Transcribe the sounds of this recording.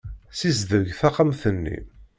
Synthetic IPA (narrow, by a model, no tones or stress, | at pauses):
sizðəɾʝθaqːamθənːḭ